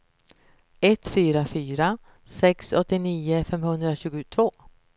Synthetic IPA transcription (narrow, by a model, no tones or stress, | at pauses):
ɛt̪ːfyːɾafyːɾa | sɛksɔt̪ːɪniːəfɛmhɵnd̪ɾaɕʉ̟ːɡʊt̪ʰv̥oː